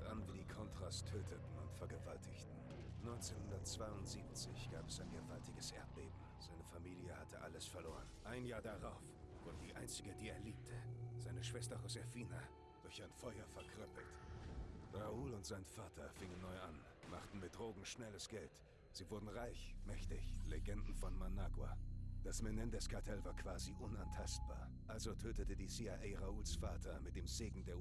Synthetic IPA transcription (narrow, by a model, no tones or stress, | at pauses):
ʔanviːdiːkʰɔntʁ̥aːstʰøːtʰətn̩ʊ̰ntfɛɐɡəvaltʰɪçtn̩ | nɔʏnt͡seːnhʊndɐtt͡sv̥aɪʊntz̥iːpt͡sɪ̰çɡ̥aːpɛsaɪnɡəvaltɪɡəsʔɛɐt̚b̥ḛːbm̩ | z̥aɪnəfamiːljəhatʰəʔaləsfɛɐloːʁənʔaɪnjaːɐdaʁaʊfvʊɐdədiːʔa̰ɪnt͡sɪɡədiːeːɐliːp̚tʰəz̥aɪnəʃv̥ɛstɐʁosɛfiːna | d̥ʊɐçaɪnfɔʏɐfɛɐkʁ̥œpl̩t | ʁauːlʊntz̥aɪnfaːtʰɐfɪŋənːɔʏʔan | maχtn̩mɪt̚d̥ʁoːɡŋ̩ʃnɛləsɡ̥ɛlt | z̥iːvʊɐdn̩ʁaɪçmɛçtɪ̰çleɡɛndn̩fɔnmanaːɡwa̰d̥asmɛnɛndɛskʰaɐtʰɛlvaːɐkv̥aːziʔʊnantʰast̚b̥a̰ːɐ | ʔalzotʰøːtətədiːsiːaɪʔɛɪʁauːlsfaːtʰɐmɪt̚d̥eːmzeːɡŋ̩deːɐ